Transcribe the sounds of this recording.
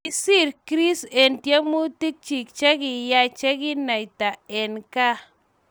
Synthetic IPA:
i˨si˦˨ɾkɾi˦se˨ntja˦mu˦ti˦k̚t͡ʃi˨k̚t͡ʃa˦ki˨ja˦t͡ʃa˦ki˦na˨jta˨e˨nka˦

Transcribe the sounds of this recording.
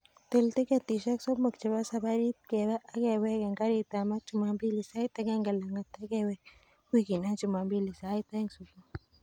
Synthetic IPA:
t̪ɪ˨lt̪i˦ke˦t̪i˨ʃa˦kso˦bma˨kt͡ʃe˨ba˦sa˦ba˦ɾi˦p̪̚ke˨ba˦ʔa˦ke˨we˦ke˨ŋɡa˦ɾi˦t̪a˨ma˦t͡ʃu˨ma˨mbi˦li˨sa˦i˦t̪a˦ɡe˦ŋɡe˨la˨ŋɡa˨t̪a˦ɡe˦we˦ | kiki˨na˦t͡ʃu˨ma˨mbi˦li˨sa˦i˦t̪e˦ŋsu˨ba˦

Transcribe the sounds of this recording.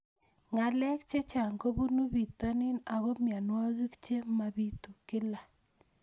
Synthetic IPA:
ŋa˨lɛ˦k̚t͡ʃe˦t͡ʃa˨ŋɡo˦bu˦nu˦bi˨t̪a˦nɪ˦na˨ɣɔ˦mja˨nwa˦ɣi˦kt͡ʃe˦ma˨bi˦tu˨kɪ˦la˨

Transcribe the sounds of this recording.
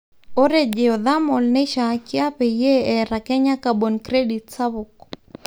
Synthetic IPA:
o˦ɾe˦d͡ʒɛ˨ɔ˨ða˦mɔ˨lnɛ˦ʃa˦kɪa˦pɛ˨je˦ɛ˨ɾa˨kɛ˦ɲa˦kabo˨nkɾe˦ditsa˦βʊk̚

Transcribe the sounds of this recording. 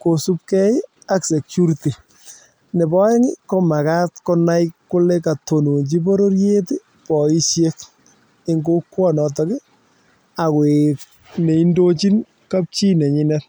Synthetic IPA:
ko˨su˦p̚kɛ˦ | a˦kse˨kju˦ɾiti˨ | ne˨bɔ˦ɛ˦ŋɪ˦kɔ˦ma˨ka˦tkɔ˦na˦jkkːʊ˦le˦ka˨to˨no˨nt͡ʃi˦po˦ɾo˦ɾje˦t | pɔ˨i˦ʃje˦k | ɪ˦ŋɡo˦kːwɔ˦nɔ˨tɔ˦kɪ˦ | a˨kwek | ne˨i˦ndo˦t͡ʃi˦n | ka˦p̚t͡ʃi˦nɛ˨ɲɪ˦nɛ˦t

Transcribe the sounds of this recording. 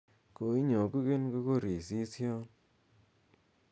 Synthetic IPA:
ko˨i˦ɲo˨ku˦ke˦nko˦ko˦˨ɾi˨si˦sjɔ˦n

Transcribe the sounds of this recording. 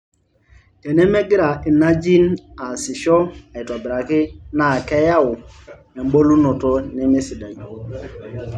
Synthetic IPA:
ɛ˨nɛ˦mɛ˦ɡɪ˦ɾa˨i˨na˦d͡ʒi˦na˨sɪ˨ʃɔ˦a˨i˨ta˨bɪ˨ɾa˨kɪ˦na˨kɛ˦ja˦ʊ˨ | ɛ˨m˦bo˦lu˦nɔ˨tɔ˦nɛ˦me˦si˨da˨i˨

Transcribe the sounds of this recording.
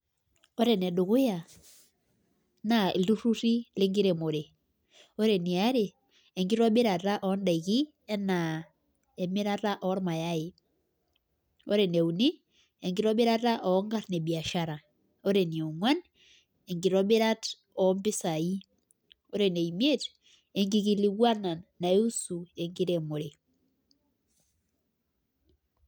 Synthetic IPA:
ɔ˦ɾɛ˨nɛ˨ɗu˨kʊ˦ja˨ | na˨i˨ldu˦ɾu˦ɾi˦le˦ŋɡi˦ɾe˨mo˨ɾe˨ | o˦ɾe˨ni˨a˦ɾeː˨ | ŋɡi˦ɾɔ˦ɓɪ˦ɾa˨ta˦ʔɔ˨˦nda˨i˨ki˦ | ɛ˦na˨ | ɛ˨mɪ˦ɾa˦ta˦ʔɔ˦ɾma˨ja˦ɪ˨ | o˦ɾɛ˨ne˨u˨ni˦ | e˨ŋɡi˦ɾɔ˦ɓe˦ɾa˦ta˦ʔɔ˨˦ŋɡa˦tne˨bi˨a˨ʃa˦ɾa˨ | o˦ɾe˨ni˨o˨ŋwa˦n | e˨ŋɡi˨ɾɔ˦ɓe˦ɾa˦t | ɔ˨mbi˦sa˨i˦ | o˦ɾe˨ne˨imje˦t | e˨ŋɡi˨ki˨li˨ɣwa˦na˨nːa˨e˦u˦su˨e˨ŋɡi˦ɾe˨mo˨ɾe˨

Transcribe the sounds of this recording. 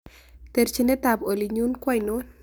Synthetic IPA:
t̪e˨ɾt͡ʃi˦nɛ˦t̪a˨bo˨li˨ɲu˦nkwa˦jno˦n

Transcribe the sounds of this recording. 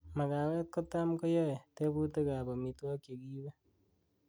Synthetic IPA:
ma˨ka˨wɛː˦t̚ko˦ta˦mko˦jɔ˦e˨te˦bu˦te˦ka˨bɔ˨mi˨twɔ˦kje˨kiː˦wɛ˦

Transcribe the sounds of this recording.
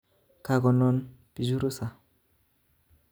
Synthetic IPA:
ka˨ɡɔ˨nɔ˦npi˨zu˦ɾu˦sa˨

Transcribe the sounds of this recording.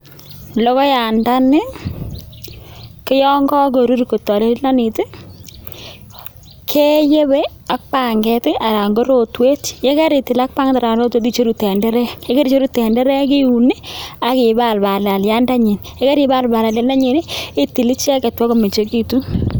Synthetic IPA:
lɔ˦kɔ˦ja˨nda˦nɪ˦ | kɪ˦jɔ˦ŋɡɔ˦ko˨ɾu˦ɾko˨tɔ˨le˦ɾla˦ni˨tɪ˦ | kʰe˦je˦be˦ | a˨k̚pa˨ŋɡɛ˨tɪ˦ʔa˨ɾa˨ŋɡo˦ɾo˨twe˦tje˦ka˦ɾi˨ti˨la˦k̚pa˦ŋta˨ɾa˨lo˦two˦t̬i˦t͡ʃo˦ɾu˨tɛ˨ndɛ˦ɾɛ˦je˦ke˦ɾi˦t͡ʃo˦ɾu˦tɛ˨ndɛ˦ɾɛ˦ki˦u˨ni˦a˨kɪ˨ba˨lba˨la˨lja˦nda˦ɲi˨nje˦ka˦ɾi˨ba˦˨lba˨la˨lja˨nda˦ɲi˨ne˦i˦ti˨li˦t͡ʃɛ˦ke˨twɔ˦ko˦me˨t͡ʃe˦ki˨tu˦

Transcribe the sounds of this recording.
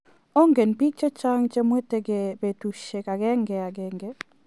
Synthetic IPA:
o˦ŋɡe˨npi˦k̚t͡ʃe˦t͡ʃa˦ŋt͡ʃe˦mwe˦te˦ɡe˨be˨tu˨ʃe˨ka˨ɡɛ˦ŋɡɛ˨a˨ɡɛ˨ŋɡɛ˦

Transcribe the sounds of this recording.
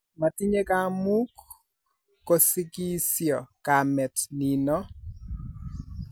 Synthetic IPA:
ma˨ti˦ɲe˦ka˦mu˦kː | o˨sɪ˦ki˦sjɔ˨ka˨mɛ˨tni˨nɔ˦

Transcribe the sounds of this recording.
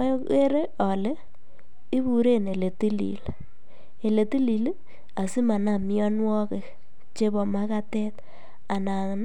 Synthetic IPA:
e˦ɾe˦ʔɔ˨le˦ | i˦bu˨ɾe˦ne˨le˨ti˦lḭ˨l | e˨le˨ti˦li˨l | a˨si˦ma˨na˦˨mjɔ˦nwɔ˦ke˨ | t͡ʃe˦bɔ˨ma˦ka˦tɛ˦t̪ | a˨na˨ŋn

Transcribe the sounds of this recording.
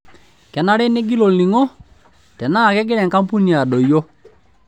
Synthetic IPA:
kɛ˨na˦ɾɛ˦ne˦ɡi˦lɔ˨li˨ŋɔ˦ | tɛ˨na˦˨kɛ˦ɡɪ˦ɾɛ˨ŋka˦mpu˦ni˨a˨ɗɔ˨jo˦

